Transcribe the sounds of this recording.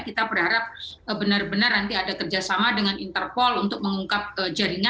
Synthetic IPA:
kit̪abərhaɾap̚ | əbənarbənarnant̪iadakərd͡ʒasamadəŋanint̪ərpɔlunt̪ʊk̚məŋuŋkap̚əd͡ʒaɾiŋa

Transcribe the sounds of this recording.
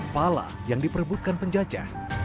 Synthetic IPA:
pala̰ | jaŋdipərbut̪̚kanpəɲd͡ʒad͡ʒa̰

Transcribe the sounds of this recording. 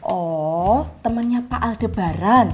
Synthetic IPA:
ʔɔ | t̪əmənɲapaʔald̪̥ə̤b̥a̤ɾan

